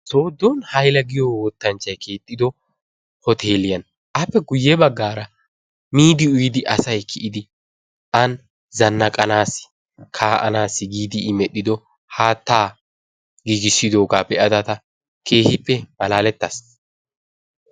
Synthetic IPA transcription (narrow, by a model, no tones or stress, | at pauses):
so̞ːd̪ːoːnhɐjlɐɡɪjowɔt̪ːɐnt͡ʃːɐjkʰe̞ːt̪ʼːɪd̪ɔ | hɔt̪ʰe̞ːlɪjɐn | ʔɐpːɛɡʊjːɛbɐɡːaːɾɐ | miːd̪ɪʊjd̪ɪʔɐsɐjkʰɪʔɪd̪ɪ | ʔɐn | zɐnːɐkʼɐnaːsɪ̥ | kʰaːʔɐ̰naːsɪɡiːd̪ɪːmɛɗːɪd̪ɔ | haːt̪ːaː | ɡiːɡɪsːɪd̪o̞ːɡaːbɛʔɐd̪ɐt̪ɐ | kʰe̞ːhɪpːɛmɐlaːlɛt̪ːɐs